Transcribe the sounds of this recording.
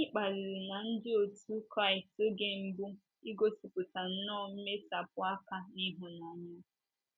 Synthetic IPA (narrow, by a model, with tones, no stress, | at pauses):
ɲɪ˦k͡pa˨zɪ˨ɾɪ˨na˨n̩˦dɪ˦o˨tu˦kɾa˦˨ɪ˨sto˦ɡe˨m̩˦bu˦ | i˦ɡo˦si˨pʊ˨ta˨n̩˦nɔ˦˨m̩˦me˦sa˨p̚ʊ˦a˦ka˨ni˦ɦʊ˨na˨ɲa˦